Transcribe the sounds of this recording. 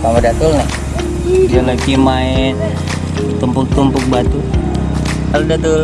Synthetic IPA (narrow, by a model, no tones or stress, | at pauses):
kamadat̪ulnɛh | d͡ʒalakimaɛn | t̪umpʊk̚t̪umpʊk̚bat̪u | aludat̪ul